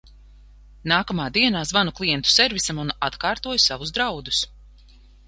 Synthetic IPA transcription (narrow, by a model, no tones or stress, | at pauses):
naːkamaːd̪iɛnaːzvanuklˠijɛnt̪u̥sɛɾvisamunʔat̪kaːɾt̪uɔjsavuzd̪ɾawd̪us